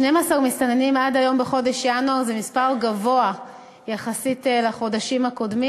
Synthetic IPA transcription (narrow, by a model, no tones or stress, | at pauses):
nemaːsaʁmistanenimadajo̞mbeχo̞de̞ʃjanuaʁzemispaʁɡavo̞a | jaχasitelaχo̞daʃimhako̞dmi